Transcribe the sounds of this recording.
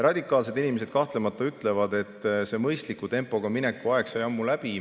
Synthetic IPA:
rɑd̪̥ʲikːˑɑːls̬e̞d̪inimese̞d̪̥̚kɑht̪le̞mɑt̪ˑːɑyt̪ːˑle̞vɑd̪e̞t̪ːˑse̞mɤjst̪likːˑut̪e̞mpːˑo̞ɡ̥ɑmine̞kːˑuɑe̞ksɑjɑmːulæb̥i

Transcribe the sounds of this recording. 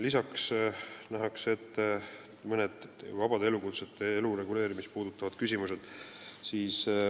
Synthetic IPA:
lisɑksnæɦɑkse̞t̪ː | mɤned̪̥vɑb̥ɑd̪ee̞lukut̪set̪ːˑeelure̞ɡule̞ːɾimist̪̚puːd̪ut̪ːˑɑvɑd̪̥kysʲimuse̞d̪̥siːs

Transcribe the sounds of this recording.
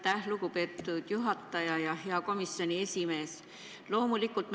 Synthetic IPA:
t̪æhluɡupe̞ːt̪ːˑud̪̥juɦɑt̪ːˑɑjɑjɑhe̞ɑko̞misjo̞nie̞sʲime̞ːs | lo̞ːmulikːˑult̪ˑm

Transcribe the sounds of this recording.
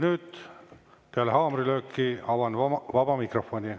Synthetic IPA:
nyːd̪̥ | peælehɑːmɾiløːkːiɑvɑnvɑbɑmikrofonʲi

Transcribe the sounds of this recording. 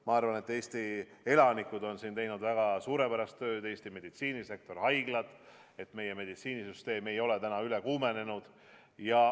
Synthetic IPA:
mɑɑrvɑne̞t̪ːe̞ːst̪i | e̞lɑnikːˑud̪o̞nsiːnt̪e̞jnud̪væɡ̥ɑsuːɾe̞pæɾɑst̪ːø̞ːd̪e̞ːst̪ime̞d̪̥it̪siːnise̞k̚t̪o̞rhɑjɡ̥lɑd̪̥ | e̞t̪ːme̞je̞me̞d̪it̪siːnisyst̪e̞ːme̞jo̞le̞t̪ænɑyle̞kuːme̞ne̞nud̪̥ | jɑ

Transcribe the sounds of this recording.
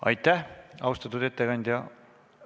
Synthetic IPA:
ɑ̰jt̪ːæhɑwst̪ɑt̪ːud̪et̪ːeɡɑnʲd̪ʲɑ

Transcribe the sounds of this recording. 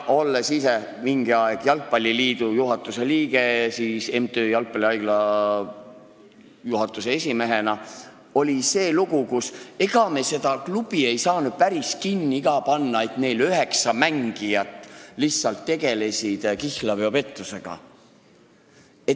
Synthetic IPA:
o̞lːesise | miŋɡiɑeɡ̥jɑlk̚pɑlʲːiliːd̪ujuɦɑt̪ːˑuse̞liːɡ̥e̞sise̞mt̪øːjɑlk̚pɑlʲiɑjɡ̥lɑ | juɦɑt̪ːˑuseesʲime̞ɦe̞nɑ | o̞lʲise̞ːluɡukuse̞ɡ̥ɑme̞se̞d̪̥ɑklub̥ie̞jsɑːnud̪̥̚pæɾiskinːiiɡ̥ɑpɑnːɑe̞t̪ne̞jlyɦe̞ksɑmæŋɡ̥ijɑt̪ːˑlissːɑlt̪ːe̞ɡe̞le̞sʲid̪̥kihlɑveope̞t̪ːˑuse̞ɡ̥ɑ̰ | e̞

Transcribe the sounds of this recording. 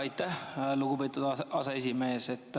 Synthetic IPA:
ɑjt̪ːæhluɡupe̞ːt̪ːˑud̪̥ɑsɑe̞sʲime̞ːse̞t̪ːˑ

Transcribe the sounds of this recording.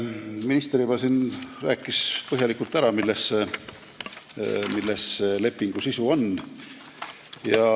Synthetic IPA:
minist̪ɾibɑsinræːkːˑispɤɦjɑlikːult̪ːˑæɾɑmilːese | milːesːele̞pːiŋɡ̥usisuo̞n | jɑ

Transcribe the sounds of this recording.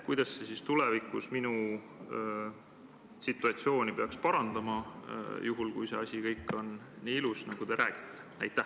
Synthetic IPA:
kujd̪̥ɑsːesist̪ulevikːˑusminu | sit̪ːˑuɑt̪sio̞ːnʲipe̞ɑkspɑɾɑnd̪̥ɑmɑjuɦulkujse̞̰ɑsʲikɤjkːˑo̞nː | iːilusnɑɡ̥ud̪e̞ɾʔæːɡ̥i̥t̪ːˑe̥næ̰jt̪ːæh

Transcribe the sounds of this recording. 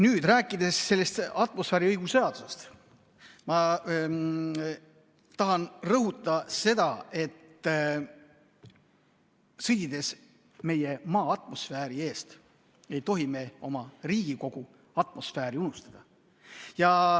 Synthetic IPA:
nyːd̪̥ræːkˑːid̪e̞sse̞lːest̪ɑt̪ːˑmo̞sfeɾiɤjɡ̥useɑd̪usest̪ | mɑ | t̪ɑɦɑnrɤɦut̪ˑːɑse̞d̪ɑe̞t̪ː | sɤjt̪id̪̥e̞s | me̞je̞mɑːɑt̪ˑmo̞sfeːɾie̞ːst̪ | e̞jt̪o̞ɦime̞o̞mɑriːɡ̥iko̞ɡ̥u | ɑt̪ˑmo̞sfæːɾiunust̪ɑ̥d̪̥ɑ | jɑ

